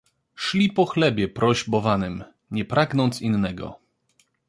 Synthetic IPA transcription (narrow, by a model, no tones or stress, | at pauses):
ʂlʲipɔxlɛbʲjɛpɾʔɔʑbɔvanɘm | ɲɛpɾaɡnɔnt̪sinːɛɡɔ̰